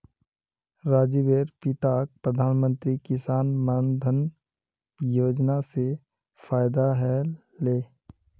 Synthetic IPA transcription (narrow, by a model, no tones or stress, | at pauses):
ɾaːd͡ʒibeːɾpɪt̪aːk̚pɾəd̪ʱaːnmə̃nt̪ɾikɪsaːnmənd̪ʱən | joːd͡ʒnase | faːɪd̪aɦɛ | leː